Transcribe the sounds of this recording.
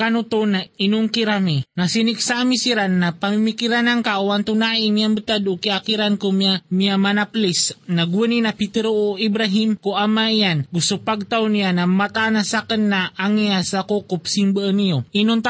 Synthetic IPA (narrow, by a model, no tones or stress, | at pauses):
kanut̪onainʊŋkiɾaminasiniksamisiɾanːapamimikiɾanaŋkaʔuwant̪unaʔimiamət̪ad̪ʊkiakiɾankomamiamanaplisnaɡuninapit̪eɾooibɾaɦimkuʔamaijanɡust̪upaɡ̚t̪awnijanamat̪aʔnasakənːaaŋiasakokʊpsiŋbəʔənijoʔinʊnt̪a